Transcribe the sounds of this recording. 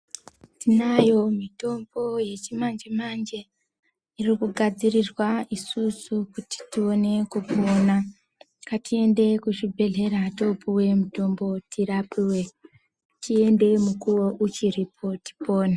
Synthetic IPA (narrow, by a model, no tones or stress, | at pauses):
tinajo̞mito̞mbo̞je̞t͡ʃimand͡ʒemand͡ʒe̞ | irikuɡʱad͡zirirwaisusukuti̥tio̞ne̞kupoːna | katʰie̞nde̞kuʃibʱe̞ɮe̞ɾato̞puwe̞muto̞mbo̞tʰiɾapiwe̞ | tie̞nde̞mukuwo̞ʔut͡ʃiɾipʰo̞ti̥po̞ːna